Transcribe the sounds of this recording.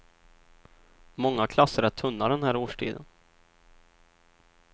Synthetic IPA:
mɔŋːakʰlasːəɾæʈ̪ʰɵnːaɖɛnɦæːɾoːʂʈʰḭːd̪ə̰n

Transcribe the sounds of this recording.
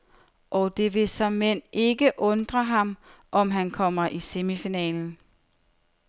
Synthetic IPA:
ʔɒd̥e̝ʋe̝sɒ̽mːen̰e̝ɡ̥əʔɔ̽nd̥ʁɐɦɑ̈m | ʔɒ̽mɦænkʰɒ̽m̰ɐʔisemifinɛ̰ːln̩

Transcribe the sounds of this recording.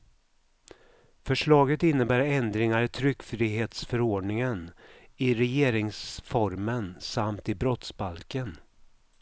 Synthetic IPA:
fœʂɭɑːɡət̪ɪnːəbæːɾɛnd̪ɾɪŋaɾɪt̪ʰɾʏkːfɾiːɦeːt̪sfœɾoːɖɳɪŋənɪɾɛjeːɾɪŋsfɔɾmənsamt̪ɪbɾɔt̪sbalkən

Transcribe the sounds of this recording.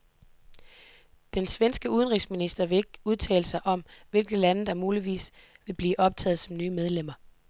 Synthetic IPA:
d̥ensʋensɡ̥əuðˠənʁisminisd̥ɐʋe̝e̝ɡ̥uð̞ˠt͡sʰɛ̰ːləsɑ̈ɪʔɒ̽mʋe̝lɡ̥ð̩ˠlænəd̥ɑ̈muːliʋḭːs | ʋe̝b̥liːʔɒ̽b̥̚t͡sʰɛ̰ːð̞̩ˠsɒ̽mnyːmeð̞ˠlem̰ɐ

